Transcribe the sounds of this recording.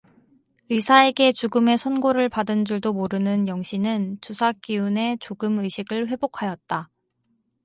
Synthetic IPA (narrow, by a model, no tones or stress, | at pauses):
ɯsʰae̞ɡe̞t͡ɕuɡɯme̞sʰʌnɡoɾɯɭpadɯnd͡ʑuɭdomoɾɯnɯnjʌŋɕʰinɯnt͡ɕusʰak͈iune̞t͡ɕoɡɯmɯɕʰiɡɯɭɸwe̞bokʰajʌt̚t͈a